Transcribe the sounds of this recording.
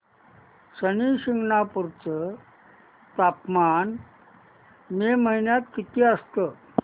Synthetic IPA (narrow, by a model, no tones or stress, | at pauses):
ɕəniɕiŋɡnapuɾt͡sə | t̪apman | meməɦinjat̪kit̪ʰiəst̪ə